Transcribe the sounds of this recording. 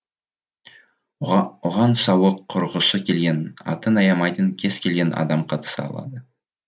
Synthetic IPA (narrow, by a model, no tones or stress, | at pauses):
ʊʁɑnsɑwəqʰːʊɾʁəsəkʲʰe̞lɡʲe̞nɑ̰t̪ənɑjɑmɑjt̪əŋkʲʰe̞zkʲʰe̞lɡʲe̞nɑ̰d̪ɑmqʰɑt̪ə̥sɑ̰ɑ̰lˠɑ̰d̪ə